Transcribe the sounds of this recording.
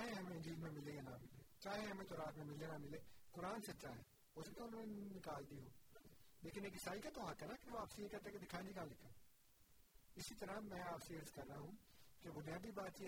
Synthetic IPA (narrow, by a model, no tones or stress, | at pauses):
t͡ʃaːɦeɦɐmẽɪ̃ɲd͡ʒiːlmẽmɪlejanamɪlḛːt͡ʃaːɦeɦɐmẽt̪oɾaːt̪mẽmɪlenamɪleːkʊɾaːnsɐt͡ʃaːɦe | oːsɐt̪ãʊnõːnenɪkaːld̪iɦoːleːkɪneːkɪsaːikat̪oɦãkɛnakeʋoaːpsiekat̪ɐked̪ɪkʰaːẽnd͡ʒikãːlɪkʰãː | ɪsit̪ɐɾãmɛ̃ːaːpsiəɾzkɐɾnaɦũkebʊnijaːd̪ibaːt̪t͡ʃi